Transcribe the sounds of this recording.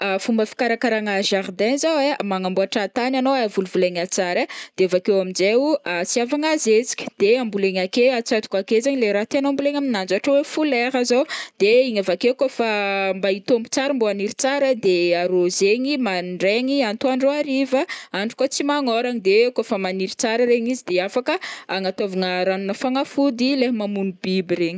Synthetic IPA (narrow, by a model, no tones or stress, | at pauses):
afumbəfi̥kaɾakaɾaŋaʒaɾd̪ɛnzawemaŋambuaʈ͡ʂat̪ananowavuluvuleɲat͡saɾəd̪̥eavakewamid͡ʒewat͡siavaŋazet͡si̥kʲi̥d̪̥eambuleɲakeat͡sat̪u̥kakezaɲileɾat̪ianoambuleɲaminand͡zaʈ͡ʂəwefulɛɾazowd̪̥eiɲavakewkofambait̪ombu̥t͡saɾimboaniɾit͡saɾəd̪eaɾozeɲimanɖ͡ʐeɲiant̪uaɳɖ͡ʐoaɾivəaɳɖ͡ʐu̥kot͡simaŋoɾaŋid̪ekofamaniɾit͡saɾəɾeɲizid̪eafakəaŋat̪avaŋəɾanunəfaŋafud̪ileɦmamunibibiɾeɲi̥